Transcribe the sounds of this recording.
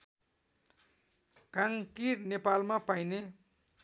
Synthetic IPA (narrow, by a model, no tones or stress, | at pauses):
kãŋkirnepalmapajne